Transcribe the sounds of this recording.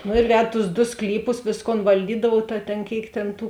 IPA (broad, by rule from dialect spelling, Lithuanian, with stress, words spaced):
nʊ ɪr ˈʋʲɛt tʊs dʊ ˈsklʲiːˌpʊs ˈʋʲeːsˌkoːn ʋɐlʲˈdʲiːdɐʋuɔw tɐ tʲeːn ˈkʲeːɪk tʲeːn ˈtuː